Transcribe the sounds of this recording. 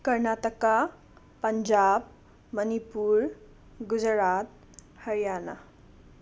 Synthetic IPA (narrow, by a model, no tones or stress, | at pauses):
kəɾnaʈəka | pəɲd͡ʒab | mənipuɾ | ɡud͡ʒɾat̪̚ | həɾjana̰